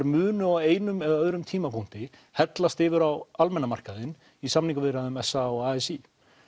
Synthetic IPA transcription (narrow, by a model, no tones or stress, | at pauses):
ɾmʏːnʏaweːjnʏmɛɣðaœðɾʏmt̪ʰiːmapʰun̥t̪ɪ | hɛt̪last̪ɪːvʏɾawalmɛnːamar̥kaðɪn | isamniŋkʏvɪɾaðʏmɛsaɔɣaːɛsi